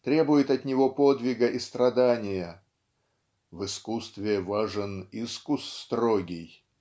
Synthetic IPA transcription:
t̪ɾʲe̞bʊjɪt̪ɐt̪nʲɪvopod̪vʲɪɡəʔist̪ɾɐd̪anʲɪjə | vɨskust̪vʲɪvaʐɨniskust̪roɡʲɪj

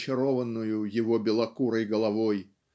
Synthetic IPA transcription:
t͡ɕɪɾɔvənːʊjʊjɪvɔbʲɪlˠɐkuɾəjɡəlˠɐvɔj

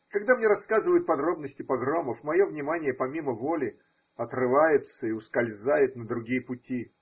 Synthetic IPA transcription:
kɐɡd̪amnʲeɾɐskazɨvəjʊt̪̚pɐd̪ɾo̞bnəsʲtʲɪpɐɡɾoməfmɐjo̞vnʲɪmanʲɪjəpɐmʲiməvo̞lʲɪ | ɐt̪rɨvajɪt̪səɪʊskɐlʲzajɪt̪nəd̪ɾʊɡʲijəpʊtʲi

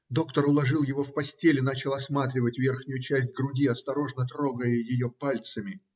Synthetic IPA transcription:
d̪o̞kt̪əɾʊlˠɐʐɨlˠjɪvo̞fpɐsʲtʲelʲɪnat͡ɕɪlˠɐsmat̪ɾʲɪvətʲvʲe̞rxnʲʊjʊt͡ɕæsʲt̚ʲɡɾʊdʲiɐst̪ɐɾo̞ʐnət̪ɾo̞ɡəjəjɪjo̞palʲt̪səmʲɪ

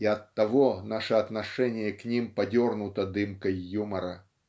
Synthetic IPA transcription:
iɐt̪ːaɣɔnaʂɛɐt̪naʂɛnʲɪjɐknʲimpad͡zʲɔrnut̪ɐd̪ɨmkɐjːumɐɾɐ

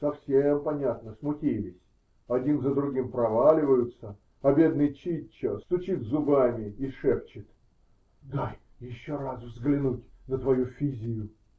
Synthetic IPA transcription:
sɐfsʲempɐnʲat̪nəsmʊtʲilʲɪsʲ | ɐdʲinzəd̪ɾʊɡʲimpɾɐvalʲɪvəjʊt̪sə | ɐbʲe̞d̪nɨjt͡ɕit͡ɕːəst̪ʊt͡ɕit̪zʊbamʲɪiʂɛpt͡ɕɪt̪ | d̪aj | jɪɕːorasvzɡlʲɪnutʲnət̪vɐjufʲizʲɪjʊ

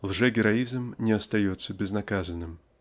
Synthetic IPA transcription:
lˠʐɛɡʲɪɾɐizmnʲɪɐst̪ɐjot̪sːəbʲɪznɐkazənːɨm

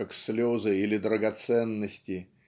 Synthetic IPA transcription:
akslʲozɨilʲɪd̪ɾəɡɐt̪sɛnːəsʲtʲɪ

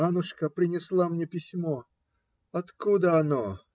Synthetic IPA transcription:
anʊʂkəpɾʲɪnʲɪslˠamnʲe̞pʲɪsʲmo̞ | ɐt̪kud̪əɐno

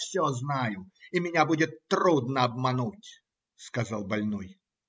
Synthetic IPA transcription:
fsʲoznajʊimʲɪnʲabudʲɪt̪ːɾud̪nəɐbmɐnutʲ | skɐzalˠbɐlʲnɔj

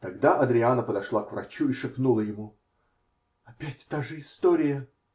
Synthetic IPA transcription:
t̪ɐɡd̪aʔɐd̪ɾʲɪanəpəd̪ɐʂlˠakvɾɐ̰t͡ɕuɪʂɨpnulˠəjɪmu | ɐpʲætʲt̪aʐɨɪst̪oɾʲɪjə

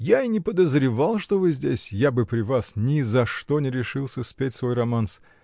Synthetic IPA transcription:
jainʲɪpəd̪əzɾʲɪvalˠʂt̪o̞vɨzʲdʲesʲjabɨpɾʲɪvasnʲɪzɐʂt̪o̞nʲɪɾʲɪʂɨlˠsʲəspʲetʲsvo̞jrɐmans

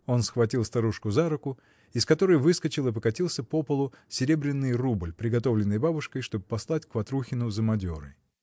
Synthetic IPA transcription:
o̞nsxvɐtʲilˠst̪ɐɾuʂkʊzaɾʊkʊ | ɪskɐt̪o̞ɾəjvɨskət͡ɕɪlˠɨp̬əkɐtʲilˠsʲəpopəlˠʊsʲɪɾʲe̞bɾʲɪnːɨjrublʲpɾʲɪɡɐt̪o̞vlʲɪnːɨjbabʊʂkəjʂt̪o̞bɨpɐslˠatʲkvɐt̪ɾuxʲɪnʊzəmɐdʲo̞ɾɨ̰

